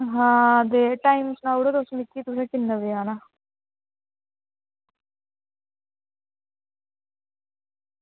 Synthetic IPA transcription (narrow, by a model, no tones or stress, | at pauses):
ɦãːd̪eʈaːimsnãːuɽod̪osmɪkːiːt̪usẽːkɪnːəʋeaːna